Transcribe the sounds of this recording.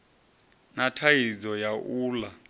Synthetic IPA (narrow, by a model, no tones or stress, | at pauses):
natʰajizɔjaʔuːla